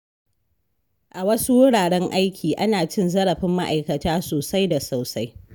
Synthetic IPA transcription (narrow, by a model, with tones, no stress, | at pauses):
ʔa˨wɐ˦su˦wʊ˦ɽaː˨ɽɛ˦ŋʔa˦jkʲʰiː˨ʔa˦naː˨t͡ʃɪ˦nzɐ˦ɽɐ˨ɸɪ˦mːa˦ʔa̰˨jkɐ˨taː˦soː˨sa˦jda˨sa˨wsa˦j